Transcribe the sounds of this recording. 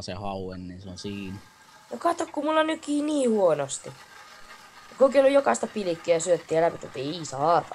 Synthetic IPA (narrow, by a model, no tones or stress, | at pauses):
sehɑuenːinseonsiːn | nokɑt̪ːokkumulːɑnykːiːniːhuonost̪i | kokiolːujokɑist̪ɑpilikːiæjɑsyøt̪ːiːelæpit̪ːet̪ːeisɑːt̪ɑ